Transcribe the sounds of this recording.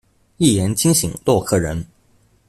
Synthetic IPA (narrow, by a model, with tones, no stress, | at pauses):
i˥˩jɛ˧˥nt͡ɕi˥ŋɕi˨˩ŋlwɔ˥˧kʰɤ˥˩ɻə˧˥n